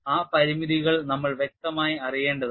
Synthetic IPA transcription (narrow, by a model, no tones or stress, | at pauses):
aːpɐɾimiðiɣɐɭnɐmːɐɭʋje̞k̚t̪ɐmaːjiɐrije̞ːɳɖɐðɨ